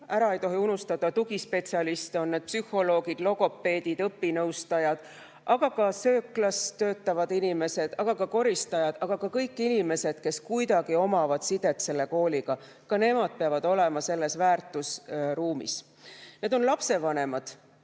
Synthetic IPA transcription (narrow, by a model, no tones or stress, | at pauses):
æɾɑe̞jt̪o̞ɦiunust̪ɑd̪ɑt̪uɡispe̞t̪siɑlist̪eo̞nːed̪̚psyho̞lo̞ːɡid̪̥lo̞ɡo̞pːe̞ːd̪id̪ɤpːinɤwst̪ɑjɑd̪̥ | ʔɑɡ̥ɑkɑsø̞ːklɑst̪ø̞ːt̪ˑːɑvɑd̪inime̞se̞d̪̥ɑɡ̥ɑkɑko̞ɾist̪ɑjɑd̪̥ɑɡ̥ɑkɑkɤjkːinime̞se̞d̪̥ke̞skujd̪̥ɑɡ̥io̞mɑvɑd̪̥sid̪̥e̞t̪se̞lːe̞ko̞ːliɡ̥ɑ | kɑne̞mɑd̪̥̚peɑvɑd̪̥o̞le̞mɑse̞lːe̞svæːrt̪ːˑusruːmḭs | ne̞d̪o̞nlɑpse̞vɑne̞mɑd̪̥